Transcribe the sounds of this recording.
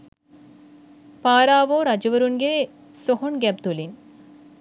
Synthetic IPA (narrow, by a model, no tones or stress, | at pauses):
paːɾaːʋoːɾɐd͡ʒɐʋɐɾunɡe | sɔɦoɳɡɛp̚t̪ulin